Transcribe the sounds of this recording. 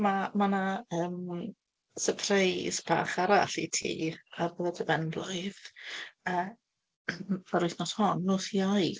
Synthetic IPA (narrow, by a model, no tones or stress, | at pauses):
mamanaəːm | səpʰrejsb̥a̰ːχaɾa̰ɬḭtʰḭːarbəðatʰəvɛndlˠʊɨð | ə | maɾʊɨθnɔshɔnːoːsiaj